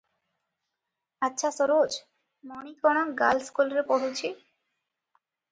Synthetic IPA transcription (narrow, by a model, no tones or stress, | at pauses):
atːɕʰasoɾod͡ʑ | monikɔɽ̃akɡalskulɾepoɦut͡ɕʰi